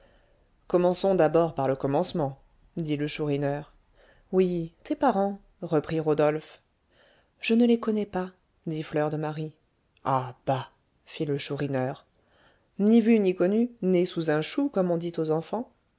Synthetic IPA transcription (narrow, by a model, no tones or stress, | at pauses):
kɔmɑ̃sɔ̃d̪abɔʁpaʁləkɔmɑ̃smɑ̃ | d̪iləʃuʁinœʁ | wit̪epaʁɑ̃ | ʁəpχiʁod̪ɔlf | ʒ̥ənəlekɔnɛpa | d̪iflœʁd̪əmaʁi | ab̥a | filəʃuʁinœʁ | nivynikɔnynesuzɛ̃ʃukɔmɔ̃d̪it̪ozɑ̃fɑ̃